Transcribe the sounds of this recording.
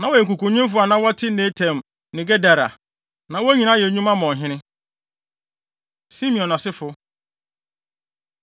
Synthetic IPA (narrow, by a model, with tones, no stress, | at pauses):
nã˨wɔ˨ɛ˨ku˨kũ˨˦ɲĩ˦m˦fʊ˦a˨nã˦wɔ˦tʰɪ˦nẽ˦tʰɛ̃˨m | nɪ̃˨ɡɛ˦da˨ɾa̰˨ | nã˨wɔ˦ɲĩ˨nã˦jɛ˨ɲũ˦mã˦mɔ̃˨ɦɪ̃˦nɪ̃˦ | si˦mĩ˨ɔ̃˨nã˨sɪ˦fʊ˦